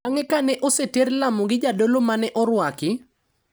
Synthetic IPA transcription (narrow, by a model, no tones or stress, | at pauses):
aŋɛkanɛʔoseteɾlamoɡɪd͡ʒadolomanɛʔɔɾwakɪ